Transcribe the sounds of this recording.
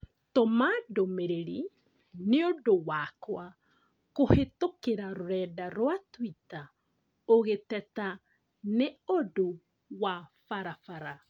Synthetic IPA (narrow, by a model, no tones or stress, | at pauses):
tomadomeɾeɾi | neodowakwa | kohetokeɾaɾoɾɛːdaɾwatwita | oɣetɛta | neodo | wafaɾafaɾa